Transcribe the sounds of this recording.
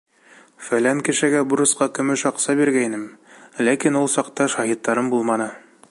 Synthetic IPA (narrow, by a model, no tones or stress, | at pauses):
fælæŋkɘ̆ʃɘ̆ɡæbuɾɤ̆sqɑkɵ̆mɘʃɑqsɑbiɾɡæinɘmlækinulˠsɑqt̪ɑʃɑɦit̪ːɑɾɤmbulˠmɑnɤ